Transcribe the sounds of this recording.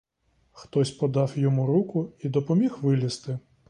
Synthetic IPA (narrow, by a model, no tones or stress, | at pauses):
xt̪ɔsʲpɔd̪ɑwjɔmuɾukʊid̪ɔpɔmʲixʋɪlʲist̪ɪ